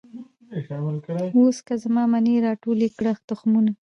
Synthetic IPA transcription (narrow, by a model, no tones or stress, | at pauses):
exawalkɽaoskazamɑːmaneɾɑʈolekɽaxt̪ʊxmuna